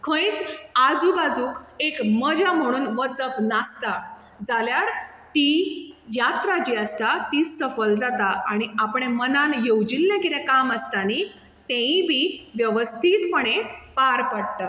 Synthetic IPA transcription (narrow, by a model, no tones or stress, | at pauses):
kʰə̃jt͡sad͡zubad͡zuːkekməd͡ʑam̤əɽ̃uːnʋət͡səfnast̪a | d͡zaljaɾ | t̪ijat̪ɾad͡ʑiəst̪at̪iːsəfəld͡zat̪aaɽ̃iapɽemənanjewd͡ʑilːãkit̪ɛ̃kaməst̪ani | t̪ẽĩbiʋjəʋəst̪ʰiːt̪pəɳ̃epaɾpaɽt̪a